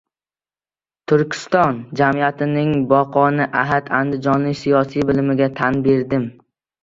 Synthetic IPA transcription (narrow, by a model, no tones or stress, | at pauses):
t̪ʰʊɾkʲʰɪ̥st̪ɒnd͡ʒamijat̪ʰɪnɪŋbɒqʰɒnɪʔaɦad̪and̪ɪd͡ʒɒnlɪkʲsijɒsijbɪlmɪɡʲat̪ʰanbe̞ɾd̪ɪm